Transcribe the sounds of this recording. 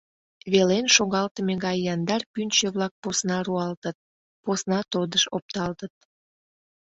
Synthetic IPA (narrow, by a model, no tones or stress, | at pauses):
βelenʃoɣɑlt̪əmeɣɑjːɑnd̪ɑrpynt͡ɕeβlɑk̚posnɑruɑlt̪ət̪̚ | posnɑt̪od̪əʃop̚t̪ɑlt̪ət̪̚